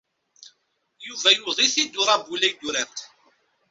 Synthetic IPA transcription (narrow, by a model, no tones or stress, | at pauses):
juvæjuðˤiθid̪ːʊɾˤɑbulæjd̪uɾæɾt̪